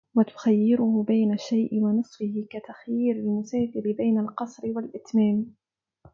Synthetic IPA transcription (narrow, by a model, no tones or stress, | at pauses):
wat̪ʊ̥xajːɪɾʊhʊbajnaʃːajʔɪwanɨsˤfɪhɪkat̪axjiːɾalmʊsaːfɪlɪbajnalqɑsˤɾɪwalʔɪt̪maːm